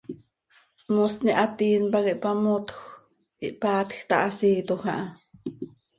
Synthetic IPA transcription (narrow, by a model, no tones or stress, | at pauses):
mosniʔat̪iːnpakiʔpamot̪x | iʔpaːt̪xt̪aʔasiːt̪oxaʔa